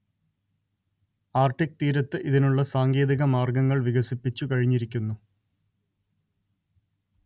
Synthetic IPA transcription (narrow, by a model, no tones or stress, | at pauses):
aːrʈik̚ːt̪iːɾɐt̪ːɨʔiðinuɭːɐsaːŋɡe̞ːðiɣɐmaːrɡɐŋːɐɭʋiɣɐsipːit͡ɕːukɐɻiɲːiɾikʲːunːu